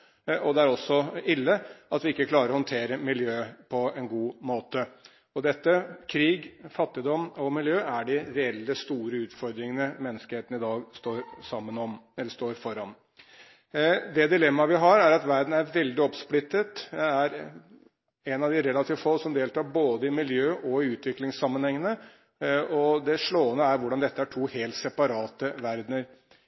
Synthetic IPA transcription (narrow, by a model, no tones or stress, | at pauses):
ɔd̪ɛæɾɔsːɔɪlːəɑt̪ʋɪɪkːəkʰlɑːɾəɾɔhɔnt̪ʰeːɾəmɪljøːpʰɔɛnɡuːmoːt̪ə | ɔd̪ɛt̪ːəkʰɾiːɡfɑt̪ːɪd̪ɔmɔmɪljøːæɖɪɾɛɛlːəst̪uːɾəʉːt̪fɔɾd̪ɾɪŋənəmɛnːəskəheːt̪ən̩ɪd̪ɑːɡst̪oːɾsɑmːənɔmɛlːəst̪oːɾfɔɾɑn | d̪ɛd̪ɪlɛmːɑʋɪɦɑɾæɾɑt̪ʋæɾd̪n̩æɾʋɛld̪ɪɔpsplɪt̪ːət̪æɾ | ɛnɑʋd̪ɪɾɛlːɑt̪ʰiːʋfɔlsɔmd̪eːlt̪ʰɑːɾboːd̪əɪmɪljøːʔɔɪʉːt̪ʰʋɪklɪŋsɑmːənhɛŋːənə | ɔd̪ɛʂɭoːənəæɾʋʊɖɑnd̪ɛt̪ːəæʈʰuːheːlt̪sɛpɑɾɑːt̪əʋæɾd̪nəɾ